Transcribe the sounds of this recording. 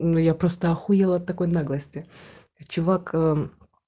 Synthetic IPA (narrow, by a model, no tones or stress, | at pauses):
nʊjapɾost̪əɐxujɛlˠɐt̪ːɐkojnaɡlˠəsʲtʲɪ | t͡ɕʊvakː